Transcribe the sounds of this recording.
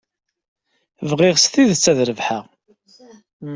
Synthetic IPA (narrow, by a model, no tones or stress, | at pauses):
vʁɪʁsθiðt͡sːæðɾəvħaʁ